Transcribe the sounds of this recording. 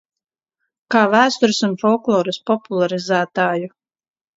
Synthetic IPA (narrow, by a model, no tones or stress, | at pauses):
kaːvæːst̪uɾsunfɔlˠklˠɔːɾuspɔpulˠaɾizæːt̪aːju